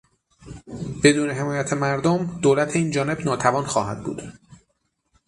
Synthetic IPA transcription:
b̥e̞d̪uːne̞ɦe̞mɒːjæt̪ʰemæɾd̪omd̪oːlæt̪ʰeiːnd͡ʒɒːne̞bnɒːt̪ʰævɒːnxɒːɦæ̰d̪̚bṵːd̪̥

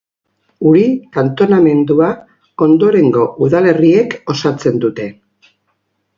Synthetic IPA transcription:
uɾikant̪o̞name̞nd̪ua | o̞nd̪oɾe̞ŋɡo̞ʔuðale̞rie̞ko̞sat͡se̞nd̪ut̪e̞

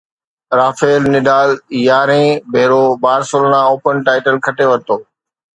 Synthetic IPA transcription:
ɾaːfeːlnɪɖaːljaːɾẽːbʱeːɾoːbaːɾsoːlnãːoːpənʈaːɪʈəlkʰɐʈeʋɐɾt̪oː

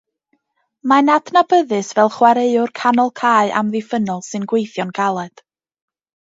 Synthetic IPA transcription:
manadnabəðɨsvɛlˠχwaɾeɨʊrkʰanɔlˠkʰaːɨʔa̰mðɪfənɔlˠsɨnɡwejθjɔnɡ̥alˠɛd̥

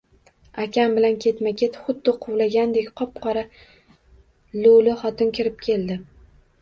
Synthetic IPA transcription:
akʲʰambɪlankʲʰe̞t̪makʲʰet̪χʊd̪ːɪqʰʊwlaɡʲand̪e̞kʲqʰɒp̚qʰɒɾa | lʊlɪχɒt̪ɪnkʲʰɪɾɪp̚kʲʰe̞ld̪ɪ

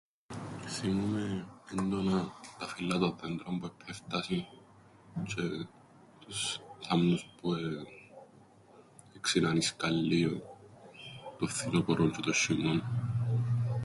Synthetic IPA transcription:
θimumeend̪onɐt̪ɐfilːɐt̪onðend̪ɾombuepʰeft̪ɐsin | t͡ʃe | t̪usθɐmnuspue | eksinɐniskɐlːio | t̪ofθinopoɾoɲt͡ʃet̪oʃːimon

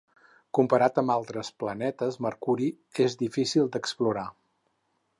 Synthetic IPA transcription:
kumpəɾat̪əmbalˠt̪ɾəsplənɛt̪əzməɾkuɾi | ezðifisilˠd̪əkspluɾa

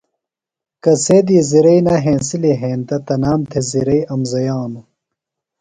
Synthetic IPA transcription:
kɐseːd̪iːziɾɐinaɦẽːnsiliɦẽːnt̪ɐt̪ɐnaːmt̪ʰeziɾɐiɐmzɐjaːnu

